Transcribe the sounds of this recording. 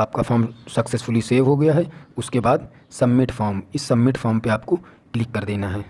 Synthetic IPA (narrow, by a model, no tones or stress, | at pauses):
aːp̚kafaːɾmsɐksesfʊliseːʋɦoɡɐjaɦɛʊskebaːd̪ | sɐmːɪʈfɔːɾmɪsːɐmːɪʈfɔːɾmpeaːpko | klɪkːɐɾd̪eːnaɦɛː